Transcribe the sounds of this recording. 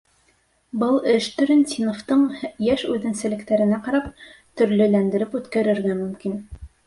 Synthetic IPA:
bɤlˠɘʃt̪ɵ̆ɾɘnt̪ʲinoft̪ɤɴjæʃʉðɘ̆nsɘ̆lɘ̆kt̪æɾɘ̆næqɑɾɑp̚t̪ɵ̆ɾlɘ̆lænd̪ɘ̆ɾɘpʉt̪kæɾɘ̆ɾɡæmɵ̆mkin

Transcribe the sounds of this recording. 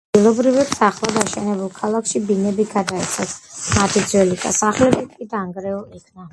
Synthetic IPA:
ad̪ɡilˠɔbɾivɛpt̪ʰaχlˠad̪aʃɛnɛbulˠkʰalˠakʰʃibinɛbiɡad̪aɛt̪sʰasmat̪ʰid̪zwɛlik̪ʼa̰saχlɛbit̪̚ʰkʼid̪aŋɡɾɛɔikʰna

